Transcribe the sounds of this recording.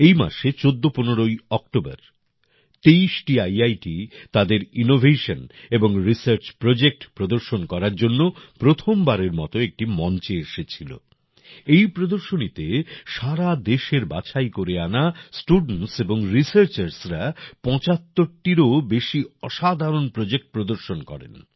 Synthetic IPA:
ejma̰ʃet͡ɕod̪ːoponeɾojɔkʈoba̰ɾ | t̪eiʃʈiajajʈit̪ad̪eɾinovʱeʃoneboŋɾisaɾt͡ɕpɾod͡ʑek̚ʈpɾod̪oɾʃonkɔɾaɾd͡ʑonːopɾot̪ʰombaɾeɾmɔ̰t̪oek̚ʈimɔnt͡ɕeeʃet͡ɕʰilo̰ | ejpɾod̪oɾʃonit̪eʃaɾad̪eʃeɾbat͡ɕʰajkoɾeanasʈuɖnseboŋɾisaɾt͡ɕaɾsɾapɔ̃t͡ɕat̪ːoɾʈiɾobeʃiɔʃad̪ʱaɾonpɾod͡ʑek̚ʈ̚pɾod̪oɾʃonkɔ̰ɾḛn

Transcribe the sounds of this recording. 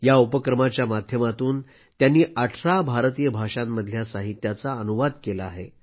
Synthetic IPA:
jaupəkɾəmat͡ɕjamad̪ʱjəmat̪uːn | t̪janːiːʔaʈʰɾabʱaɾt̪iːjəbʱaʂamːəd̪ʱjasaɦit̪jat͡saənuʋad̪kelaːɦḛ

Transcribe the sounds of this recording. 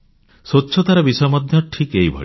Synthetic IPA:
sotːt͡ʃʰɔt̪aɾɔbisɔjɔmɔd̪ʱjɔʈʰikejbʱɔ̰i

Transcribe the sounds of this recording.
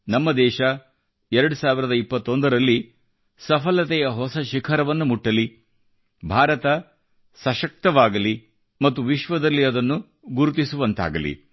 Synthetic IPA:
nɐmːɐd̪ɛːʃɐ | ɛɾɐɽusaːʋiɾɐd̪ɐipːɐt̪ːo̞nd̪ɐɾɐlːi | sɐpʰɐlɐt̪ɛjɐɦɔsɐʃikʰɐɾɐʋɐnːumuʈːɐli | bʱaːɾɐt̪ɐ | sɐʃɐk̚t̪ɐʋaːɡɐli | mɐt̪ːuʋiʃʋɐd̪ɐlːiɐd̪ɐnːu | ɡuɾut̪isuʋɐnt̪a̰ːɡɐlḭ

